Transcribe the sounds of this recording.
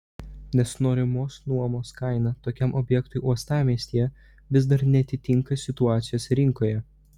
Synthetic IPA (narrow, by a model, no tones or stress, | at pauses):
nʲɛsnoːɾʲɪmoːsnuɔmoːskɑɪnɐt̪oːkʲɛmʔɔbʲjɛkt̪ʊɪʔuɔst̪ɑːmʲiːsʲt̪ʲiːjɛ | ʋʲɪs̬d̪ɐɾnʲɛɐt̪ʲɪt̪ʲɪŋkɐsʲɪt̪ʊɑːt̪sʲɪjoːsʲɾʲɪŋkoːjɛ